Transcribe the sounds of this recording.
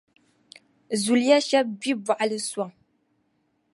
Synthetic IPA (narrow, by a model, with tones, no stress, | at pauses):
zu˨lja˦ʃɛ˦b̚bi˦ba˨ʔa˨lɨ˦swa˦˨ŋ